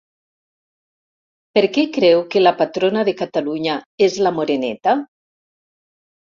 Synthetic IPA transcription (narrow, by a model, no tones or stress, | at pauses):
peɾkɛkɾɛwkelapat̪ɾonaðekat̪aluɲaezlamoɾenɛ̰t̪a